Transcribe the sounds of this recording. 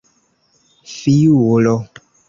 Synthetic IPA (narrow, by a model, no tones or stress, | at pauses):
fijuolɔ